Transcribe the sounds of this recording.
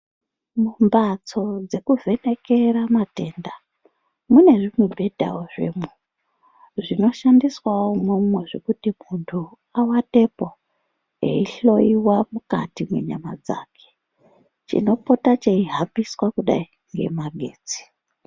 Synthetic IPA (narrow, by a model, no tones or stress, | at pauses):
mumbat͡so̞d͡ze̞kuvʱe̞ne̞ke̞ɾamate̞ːnda | mune̞ʐimuɓʱe̞dʱa̰woʐḛmu | ʐino̞ʃandiswawomumweʐekutimuntʰu | awate̞po | ḛiɬo̞iwamuka̰timwḛɲamad͡za̰ːkʰe̥ | t͡ʃḭno̞po̞tat͡ʃeiɦabiswakuɗa̰i | ŋɡe̞̰maɡʱe̞ːd͡zi̥